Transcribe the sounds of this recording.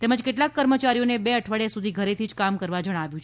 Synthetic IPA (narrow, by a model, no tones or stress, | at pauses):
t̪eməd͡ʒkeʈlakkːəɾmət͡ʃaɾijonebeəʈʰʋaɭjasud̪ʱiɡʱəɾet̪ʰid͡ʒkamkəɾʋad͡ʒəɽ̃aʋjũt͡ʃʰe